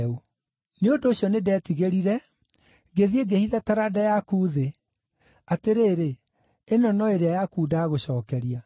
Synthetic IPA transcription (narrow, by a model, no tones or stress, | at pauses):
u | neondoːɕjɔnedɛːtiɣeɾiɾɛ | ɡeðieɡehiðataɾadajakuːðe | ateɾeːɾe | enɔnɔeɾeajakuːdaːɣoɕɔːkɛɾia